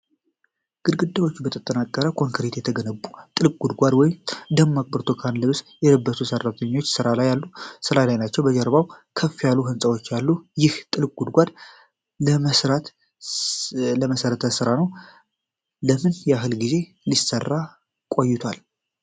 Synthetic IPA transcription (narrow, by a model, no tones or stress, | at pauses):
ɡ̥ɨd̪ɡɨd̪ːawo̞t͡ʃːubət̪ʰət̪ʼːənakʼːəɾəkʰo̞ŋkʰəɾet̪jɛt̪ʰəɡənəbːut̪ʼɨlkʼɡ̥ud̪ɡʷad̪wɔjɪmd̪əmːakʼbəɾt̪ʰokʰanlɨβsjɛləbːət̪ʰusərːat̪ʰəɲːo̞t͡ʃːsɨɾalajalːusɨɾalajnat͡ʃːɛwbəd͡ʒəɾbawkʰəfːijalːuɦɨnsʼəwot͡ʃːjalːujɪht̪ʼɨlkʼɡ̥ud̪ɡʷad̪ | əəsɾat̪ | ləməsəɾət̪ʰəsɨɾanəw | ləmɨnjɛaɦɨlɡize̞ | lisərːa | kʼo̞jːɪt̪ʰwal